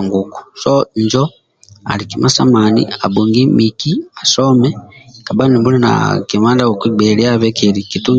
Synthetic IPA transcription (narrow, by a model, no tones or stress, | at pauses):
ŋɡuku̥soɲd͡ʒo | a̰likimasamanḭabuŋɡimikiasomɛkabanimbulina̰kimaːndaokwibeliaβekeɾikitu